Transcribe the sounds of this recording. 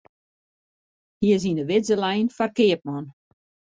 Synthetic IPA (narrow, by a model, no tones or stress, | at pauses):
hiəz̬inəʋɪzəlɛjnfarkɪəp̚mɔn